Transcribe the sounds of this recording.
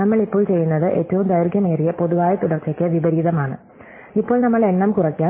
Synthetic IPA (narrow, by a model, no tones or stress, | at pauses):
nɐmːɐɭipːoːɭt͡ɕe̞jːunːɐðɨʔe̞ːtːɐʋumd̪ɐjrɡjɐmeːrijɐpo̞ðuʋaːjɐt̪uɽɐrt͡ɕːɐkʲːɨʋibɐɾiːðɐmaːɳɨ̰ | ipːo̞ːɭnɐmːɐɭe̞nːɐmkurɐkːjaː